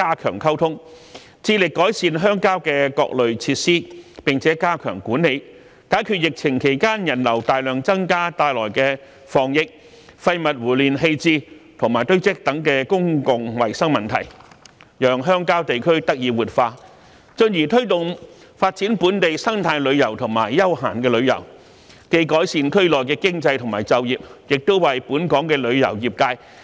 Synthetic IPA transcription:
kaː˥kʰœ̰ː˨˩ŋkʰɐ˥wt̪ʰʊ˥ŋ | t͡siː˧lɪ˨kːɔː˨˥jsiː˧nɦœː˥ŋkaː˥wkɛː˧kɔ̰ː˧k̚lɵ˨ɥt͡sʰiː˧t̚siː˥pɪ˨ŋt͡sʰɛː˨˥kaː˥kʰœː˨˩ŋkuː˨˥nːe˨˧j | kaː˨˥jkʰyː˧t̚jɪ˨k̚t͡sʰɪ˨˩ŋkʰe˨˩jkaː˥njɐ˨˩nlɐ˨˩wt̪aː˨jlœː˨ŋt͡sɐ˥ŋkaː˥t̪aː˨˧jlɔ̰ː˨˩jkɛː˧ | fɔː˨˩ŋjɪ˨k̚ | fɐ˧jmɐ˨t̚wuː˨˩liː˨nɦe˧jt͡siː˧t̪ʰʊ˨˩ŋmaː˨˩jt̪ɵ˥ɥt͡sɪ˥k̚t̪ɐ˨˥ŋkɛː˧kʊ˥ŋkʊ˨ŋwɐ˨˩jsɐ˥ŋmɐ˨˩nt̪ʰɐ̰˨˩jjœː˨ŋɦœː˥ŋkaː˥wt̪e˨jkʰɵ˥ɥt̪ɐ˥k̚jiː˧˩wuː˨˩t̚faː˧ | t͡sɵ˧njiː˨˩t̪ʰɵ˥ɥt̪ʊ˨ŋ | faː˧t̚t͡siː˨˥npuː˨˥nt̪e˨jsɐ˥ŋt̪ʰaː˧jlɵ˨˧ɥjɐ˨˩wt̪ʰʊ˨˩ŋma̰ː˨˩jːɐ˥wɦaː˨˩nkɛː˧lɵ˨˧ɥjɐ̰˨˩w | ke˧jkɔː˨˥jsiː˧nk̪ʰɵ˥ɥlɔː˨jkɛː˧kɪ˥ŋt͡sɐ˧jt̪ʰʊ˨˩ŋmaː˨˩jt͡sɐ˨wjiː˨p̚jɪ˨k̚t̪o˥wwɐ˨jpuː˨˥nkɔː˨˥ŋkɛː˧lɵ˨˧ɥjɐ̰˨˩wjiː˨p̚kaː˧j

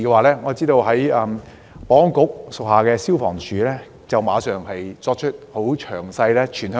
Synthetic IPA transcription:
kɛː˧waː˨˩lɛː˥ŋɔː˨˧t͡siː˥t̪o˧wɦɐ˨˥jɐ˧m | pɔː˨˥ŋkʊ˨˥k̚sʊ˨k̚haː˨˩kɛː˧siː˥wfɔ̰ː˨˩ŋt͡ʃʰyː˨˥lɛː˥ | t͡sɐ˨wmaː˨˧sœː˨ŋhɐ˨jt͡sɔː˧k̚t͡ʃʰɵ˥t̚ho˨˥wt͡ʃʰœː˨˩ŋsɐ˧jlɛː˥t͡ʃʰyː˨˩nhœ˧

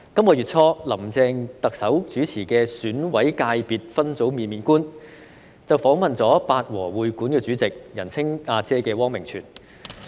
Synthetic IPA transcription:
kɐ˥mkɔː˧ɥyː˨˩t̚t͡sʰɔː˧lɐ˨˩mt͡sɛː˨˧ŋt̪ɐ˨k̚sɐ˨˥wt͡syː˨˥t͡sʰiː˨˩kɛː˧syː˨˥nwɐ˨˥jkaː˧jpiː˨t̚fɐ˥nt͡so˨˥wmiː˨˧nmiː˨˧nkuː˥n | t͡sɐ˨wfɔː˨˥ŋmɐ˨nt͡sɔː˨˥paː˨˧t̚wɔː˨˩wuː˨jkuː˨˥nkɛː˧t͡syː˨˥t͡sɪ˨k̚jɐ˨˩nt͡sʰɪ˥ŋaː˧t͡sɛː˥kɛː˧wɔː˥ŋmɪ˨˩ŋt͡sʰy̰ː˨˩n

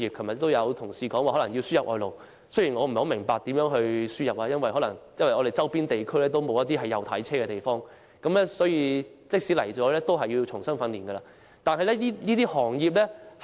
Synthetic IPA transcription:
iː˨p̚kʰɐ˨˩mjɐ˨t̚t̪ːo˥wjɐ˨˧wt̪ʰʊ˨˩ŋsiː˨kɔː˨˥ŋwaː˨hɔ˨˥lɐ˨˩ŋji˧wsyː˥jɐ˨p̚ʔɔː˨˧jlo˨w | sɵ˥ɥji˨˩ŋɔː˨˧m̩˨˩ho˨˧˥mɪ˨˩ŋpaː˨˧k̚t̪iː˨˥mjœː˨˥ŋɦɵ˧ɥsyː˥jɐ˨p̚ʔaː˧jɐ˥nwɐ˨jɦɔ˨˧˥lɐ˨˩ŋjɐ˥nwɐ˨jʔɔː˨˧ɾe˨jt͡sɐ˥wpiː˥nt̪e˨jkʰɵ˥ɥlɛː˥t̪̬o˥wmo˨˧wjɐ˥t̪̚iː˥ɦɐ˨jːɐ˨wt̪ʰɐ̰˨˥jt͡sʰɛː˥kɛː˧t̪e˨jfɔː˥ŋ | kɐ˨˥mlɛ˥sɔː˨˥jiː˧t͡sɪ˥k̚siː˨˥lɐ˨˩jt͡sɔː˨˥lɛː˥t̪o˥wɦɐ˨jːi˧wt͡ʃʰʊ˨˩ŋsɐ˥ŋfɐ˨˧nliː˨˩nɡə˧la̰ː˧ | t̪aː˨nhɐ˨jlɛ˥liː˥liː˥t̪i˥hɔː˨˩ŋjiː˨p̚lɛː˥

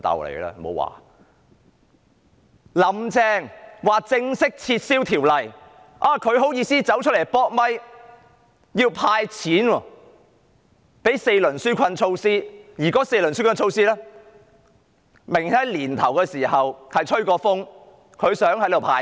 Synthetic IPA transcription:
t̪ɐ̰˨wlḛ˨˩lɛ̰ː˧mo̰˨˧wa̰ː˨˩ | lɐ˨mt͡sɛː˧˥ŋwaː˨k̚t͡sɪ˧ŋsɪ˥k̚t͡sʰiː˧t̚siː˥wt̪ʰiː˨˩wlɐ˨j | ʔaː˨˩kʰɵ˨˧ɥɦo˨˥wjiː˧siː˥t͡sɐ˨˥wt͡ʃʰɵ˥t̚le˨˩jpɔː˥k̚mɐ˥j | jiː˧wpʰaː˧jt͡sʰiː˨˥nwɔː˧ | pe˨˥jse˧jlɵ˨˩nsyː˥kʰɐ˧nt͡ʃʰo˧wsiː˥jiː˨˩kɔː˨˥se˧jlɵ˨˩nsyː˥kʰɐ˧nt͡ʃʰo˧wsiː˥lɛː˥ | mɪ˨˩ŋtɐ˨˥liː˨˩nt̪ʰɐ˨˩wkɛː˧siː˨˩hɐ˨whɐ˨jt͡ʃʰɵ˥ɥkɔː˧fʊ˥ŋ | kʰɵ˨˧ɥsœː˨˥ŋhɐ˨˥jt̪o˨wpʰaː˧

